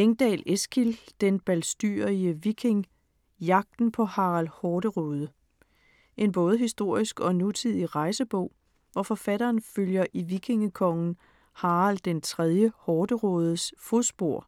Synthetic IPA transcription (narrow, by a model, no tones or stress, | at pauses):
eŋd̥ɛ̰ːlesɡ̥ild̥enb̥ælsd̥y̰ɐiəʋikʰe̝ŋ | jɑ̈ɡ̥̚d̥n̩pʰɒ̽hɑ̈alhɒːɾ̥əʁɔːðˠə | ʔe̝nb̥ɔ̽ːð̞ˠəɦisd̥o̝ɐ̰isɡ̥ɒ̽nut͡sʰið̰ˠiʁɑ̈ɪsəb̥ɔ̽ʊ̰ | ʋɒfɒ̽fæɾɐːnføljɐʔiʋikʰe̝ŋəkʰɒ̽ŋn̩ | hɑ̈ːʁald̥ent͡sʰʁɛð̞ˠjəhɒːd̥əʁɔːð̞ˠəsfosb̥o̝ɐ̰